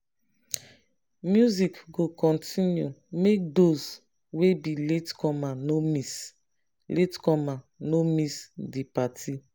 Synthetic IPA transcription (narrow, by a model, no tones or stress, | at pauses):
mjuzikɡokɔ̃ntʰinjumek̚dos | webiletkʰɔmanomis | letkɔma | nomisdipatʰi